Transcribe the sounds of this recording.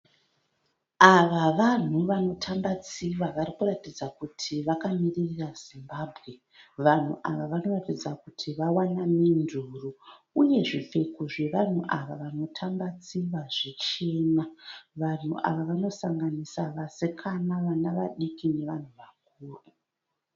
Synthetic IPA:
aʋaʋan̤uʋano̞tʰambat͡siʋaʋarikuratid͡zakutʰiʋakamiririraz̥imbaːbʱɣe̞ | ʋan̤uʔaʋaʋano̞ratid͡zakutʰiʋawanaminduru | uje̞ʐife̞kuʐe̞ʋan̤uʔaʋaʋano̞tʰambat͡siʋaʐit͡ʃe̞ːnaʋan̤ṵʔa̰ʋaʋano̞saŋɡanisaʋasekʰanaʋanaʋaɗikine̞ʋan̤uʋak̚uːru

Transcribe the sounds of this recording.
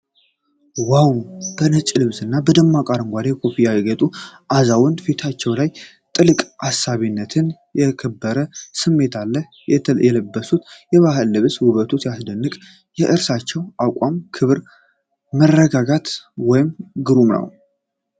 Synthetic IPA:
wawb̥ənət͡ʃʼlɨβsɨnːabəd̪əmːakʼaɾɨŋɡʷad̪ekʰo̞pijajɛɡət̪ʼuʔazawɨnfet̪ʰat͡ʃːɛwlaj | t̪ʼɨlɨkʼasːaβinːət̪ʰɨnjɛkʰəbːəɾəsɨmːe̞t̪ʰalːəh | jɛjɛləbːəsut̪jɛβaɦəlːɨβshuβət̪ʰut̪jasd̪ənːɨkʼ | jɛʔɨɾsat͡ʃːɛwʔakʼamkʰɨβɾ | mərːəɡaɡat̪wɔjɪmɡɨɾumnə̰w

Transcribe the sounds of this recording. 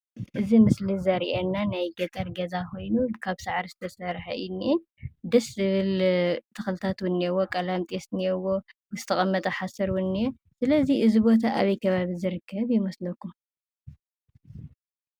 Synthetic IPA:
ʔɨzimɨslizɐɾiʔenːanajɡɐt̪ʼɐɾɡɐzako̞jnukʰaβsaʕɾisɨ̥t̪ʰɐsɐɾħɐinːin | d̪ɐszɨβɨlt̪ʰɨxɨlɨt̪ʰat̪wʊnːiɛwokʼɐlamt̪ʼesniɛwo | z̥ɨt̪ʰɐχʼɐmːɐt̪ʼɐħasɐɾwʊnːije | sɨlɐziɨzibo̞t̪̬ʰaʔa̰βɐjkʰɐβaβizɨɾɨkʰːɐβjɪmɐslɐkːum

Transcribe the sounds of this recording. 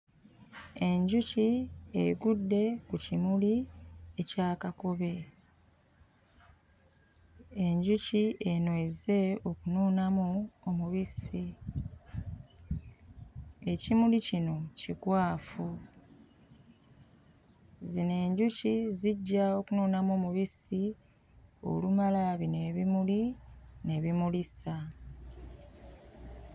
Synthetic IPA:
e̞ɲɟuciḛɡudːe̞kucimulie̞caːkako̞βe̞ | eɲɟucienweze̞o̞kunuːnamuomuβisi | e̞cimulicino̞cikwaːfu | zine̞ːɲɟuciziɟːao̞kunuːnamoːmuβisi | o̞̰lumalaβine̞βimuline̞βimulisa

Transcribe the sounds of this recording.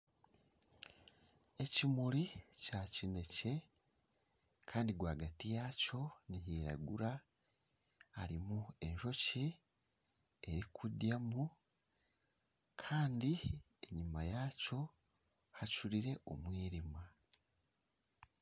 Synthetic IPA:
e̞cimuɾicacine̞ce̞ | kʰaːndiɡwaːɡatijaco̞niɦiːɾa̰ɡuɾa | ɾimue̞ɲʃo̞ci | eɾikʰudjamu | kʰaːndi | e̞ɲimajaco̞ | hat͡ʃuɾiɾe̞ʔo̞̰mwiːɾima

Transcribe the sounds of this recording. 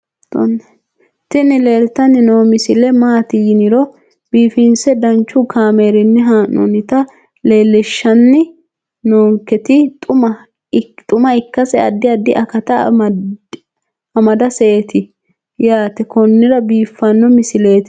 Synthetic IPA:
t̪o̰nː | t̪ɪnɪle̞ːlt̪ɐnːɪnoːmɪsɪlɛmaːt̪ɪjɪnɪɾɔ | b̥iːfɪnsɛd̪ɐnt͡ʃːʊkʰaːmeːɾɪnːɛɦaːnːɔ̰nɪt̪ɐ | le̞ːlːɛʃːɐnːɪ | noːŋkːɛt̪ɪt̪ʼʊmɐ | t̪ʼʊmɐɪkːɐsɛɐ̰d̪ːɪɐd̪ɪʔɐkɐt̪ɐ | ɐmɐd̪ɐseet̪ɪ | jaːt̪ɛkɔnːɪɾɐbiːfːɐnːɔmɪsɪle̞ːt̪ɪ̥

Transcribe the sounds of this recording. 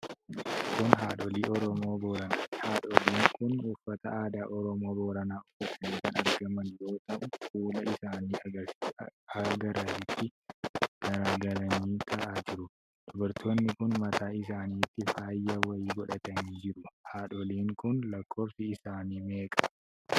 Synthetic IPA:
kʊnɦaːᶑɔliːɔɾɔmo̞ːboːɾɐnaːhaːᶑɔliːŋkʊnʊfːɐt̪ɐaːd̪aːʔɔɾɔmo̞ːboːɾɐnaːʊfːɐt̪ɐniːkɐnɐɾɡɐmɐnjo̞ːt̪ɐʔʊkuːlɐɪsaːniːɐ | ɐɡɐɾɐsɪt̪ːɪ | ɡ̥ɐɾaːɡɐlɐniːt̪ʰɐʔaːd͡ʒɪɾʊ | d̪̥ʊbɐɾt̪ʰoːnːɪkʊnmɐt̪aːɪs̬aːniːt̪ːɪfaːjːɐwɐiːɡɔᶑɐt̪ɐniːd͡ʒɪɾʊhaːᶑɔliːŋkʊnlɐkʰːo̞ːsɪɪsaːniːme̞ːkʼɐ̥

